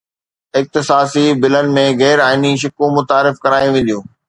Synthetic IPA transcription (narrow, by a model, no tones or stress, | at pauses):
ɪk̚t̪ɪsaːsibɪlənɪ̆mẽɣɛːɾaːɪniʃ̬ʊkũmʊt̪aːɾɪfkɐɾaːjĩʋẽn̆d̪ijũː